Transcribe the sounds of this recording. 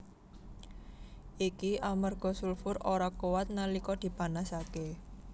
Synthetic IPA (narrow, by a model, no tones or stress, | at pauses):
ʔikiʔamərɡ̥ɔ̤sulfʊroɾakowat̪̚nalikɔd̪̥i̤panasake